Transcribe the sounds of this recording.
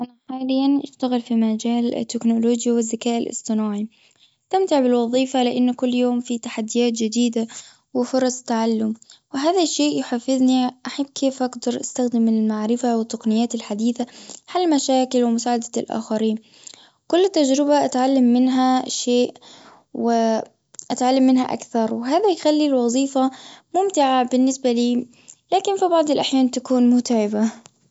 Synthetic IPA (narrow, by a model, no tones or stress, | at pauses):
ʔanaħaːlɪjːanʔaʃt̪aɣɪlfimad͡ʒaːlɪ̰t̪ːɪknʊloːd͡ʒjawɪzːakaːʔɪ̰lʔɪ̰sˤt̪ˤɨnaːʕi | ɪst̪amt̪ɪʕbɪlwɑðˤiːfalɪʔanːkʊlːjoːmfit̪aħad̪ːɪjaːt̪̚d͡ʒɪd̪iːd̪a | wɪfʊɾˤɑsˤt̪aʕalːʊmwɪɦaːðaʃːeːʔjʊħafːɪðniʔaħabːkʰeːfʔaɡd̪ɑɾˤʔast̪axd̪ɪmːɪnɪlmaʕɾɪfawɪt̪ːɑqnɪjːaːt̪ɪlħad̪iːθaħalːmaʃaːkɪlwɪmʊsaːʕad̪ḁlʔa̰ːxaɾiːn | kʊlːɪt̪ːad͡ʒɾɪbaʔat̪ʕalːamːɪnɦaʃeːʔ | wɪ | ʔat̪ʕalːamːɪnɦaʔa̰kθɑɾˤwɪɦaːðajxalːilwɑzˤiːfamʊmt̪ɪʕabɪnːɪsbaliː | laːkɪnfibɑʕd̪ˤɪlʔaħjaːnt̪akuːnmʊt̪aʕɪba